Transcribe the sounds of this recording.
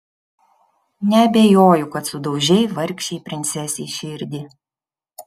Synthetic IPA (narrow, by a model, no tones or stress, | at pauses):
nʲɛɐbʲejoːjʊkɐt̪sʊd̪ɒʊʒʲɛɪʋɐɾʲkʲʃʲɛɪpʲɾʲɪnʲt̪sʲɛsʲiːʃʲɪɾʲd̪ʲɪ